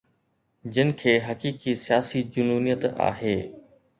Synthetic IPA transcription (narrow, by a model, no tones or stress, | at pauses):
d͡ʑɪnɪ̆kʰeːɦɐkiːkisijaːsid͡ʑʊnuːnijət̪a̰ːɦeː